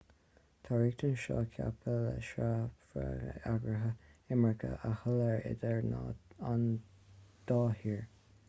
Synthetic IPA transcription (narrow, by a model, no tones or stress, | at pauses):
t̪ʰaɹiːk̚t̪ənʃɔ̰ːkʰa̰pʰələʃafa̰ɡəaɡɹəɦəɪməɹkʰə̰ʔəhʊləɹɪ̰d̪əɹnan | d̪̥ɑːhiːɹ